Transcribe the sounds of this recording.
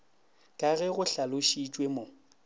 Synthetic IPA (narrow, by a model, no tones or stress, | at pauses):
kʼaɣɛɣʊɬalʊʃit͡ʃʼwemo